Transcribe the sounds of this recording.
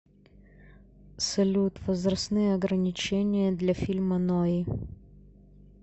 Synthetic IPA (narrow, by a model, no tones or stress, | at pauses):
sɐlʲut̪vəzɾɐsnɨjəɐɡɾɐnʲɪt͡ɕenʲɪjəd̪lʲɐfʲilʲmɐnɔi